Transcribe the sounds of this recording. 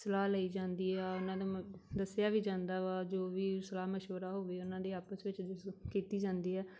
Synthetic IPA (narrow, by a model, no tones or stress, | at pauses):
səlaːləiːd͡ʒãːnd̪iːɦɛːʊnãːd̪ad̪əsɪjaːʋiːd͡ʒãːnd̪aːʋaːd͡ʒoːʋiːsəlaːməʃəɾaːɦoːʋiːʊnãːd̪eːaːpəsʋɪt͡ʃkiːt̪iːd͡ʒãːnd̪iːɦɛː